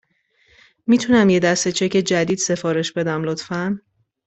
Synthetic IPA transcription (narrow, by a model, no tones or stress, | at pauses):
mit̪ʰunæmjed̪æst̪e̞t͡ʃʰecʰe̞d͡ʒæd̪iːd̪̥se̞fɒːɾe̞ʃbe̞d̪æmlot̪fæn